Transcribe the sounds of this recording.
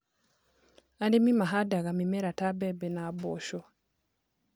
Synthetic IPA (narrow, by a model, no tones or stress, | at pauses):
andimimaɦadaɣamimɛɾatabɛbɛnabɔʃɔ